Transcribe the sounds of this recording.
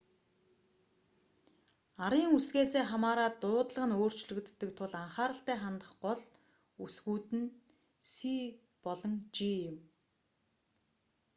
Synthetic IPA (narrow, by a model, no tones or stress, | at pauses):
aɾiːŋusɣeːseːχamaːɾaːt̪ʊːt̪ɮə̆ʁə̆noːr̥t͡ɕɮɵ̆kt̪ːə̆k̚t̪ʰʊɮaɴχaːɾə̆ɬt̪æːχant̪ə̆χɢɔɮ | usɣuːt̪ɘ̆n | si | pɔɮɞ̆ŋt͡ɕiɪm